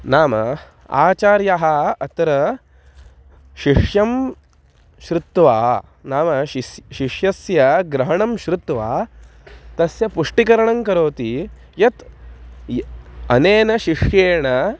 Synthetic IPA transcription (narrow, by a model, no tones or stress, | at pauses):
naːmɐ | a̰ːt͡ʃaːɾjaɦɐɐt̪ɐɾɐ | ʃiʂjɐm | ʃɾut̪ːʋaː | naːmɐʃiʂjɐsjɐɡɾɐɦɐɳɐmʃɾut̪ʋaː | t̪ɐsjɐpuʂʈikɐɾɐɳɐŋkɐɾoːt̪i | jɐt̪ | ɐneːnɐʃiʂjeːɳɐ